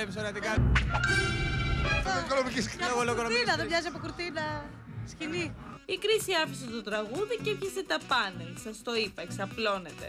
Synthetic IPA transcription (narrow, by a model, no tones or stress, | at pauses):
epis̬oɾeɐt̪ikɐ | okonomicisoɣolokkonoinɐðevɲɐziɐpokuɾt̪inɐ | scini | ikɾisiɐfiset̪ot̪ɾɐɣuðicepçɐset̪ɐpɐnelsɐst̪oipɐeksɐplo̞ne̞t̪e̞̰